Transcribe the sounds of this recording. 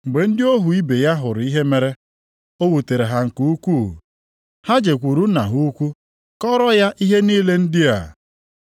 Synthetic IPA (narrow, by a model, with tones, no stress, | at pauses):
ŋ͡m̩˨ɡ͡be˨n̩˦dɪ˦o˦ɦu˨i˦be˨ja˦ɦʊ˨ɾi˦ɦe˦me˨ɾe˦ | o˦wu˨te˨ɾe˨ɦa˦ŋ̩˨ku˦u˦kʷu˦˨ | ha˦d͡ʒe˨kʷu˨ɾu˦na̰˨ɦu˦kʷu˦ | kɔ˦ɾɔ˦ja˦ʔi˦ɦe˦niː˦le˦n̩˦dɪ˦a̰˨